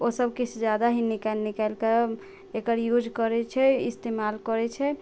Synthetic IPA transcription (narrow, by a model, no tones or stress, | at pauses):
osəbkit͡ʃʰd͡ʒjad̪aɦinikalnikalkəɾ | ekəɾjud͡ʒkɔɾɛt͡ʃʰɛḭst̪emalkɔɾɛt͡ʃʰɛ